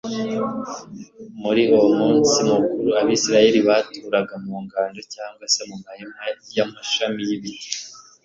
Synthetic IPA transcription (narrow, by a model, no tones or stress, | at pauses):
muɾiomuːnsimukuɾuaβisiɾaje̞ɾiβatʰuːɾaɡamuːŋɡaːndocaːŋɡwase̞mumajemajamaʃamijiβite̥